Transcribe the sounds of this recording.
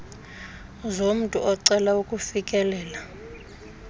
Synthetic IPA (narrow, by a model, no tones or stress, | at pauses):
zom̩tʼṵʔɔǀɛlaukʼufikʼɛlɛːla